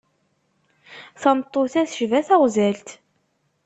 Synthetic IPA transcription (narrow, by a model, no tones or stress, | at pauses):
θɑmt̪ˤːoθæθə̥ʒvæθæʁzælt̪